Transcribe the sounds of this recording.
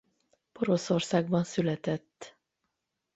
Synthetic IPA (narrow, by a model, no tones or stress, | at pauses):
po̞ɾo̞so̞rsaːɡ̚bɒnsylɛt̪ɛt̪ː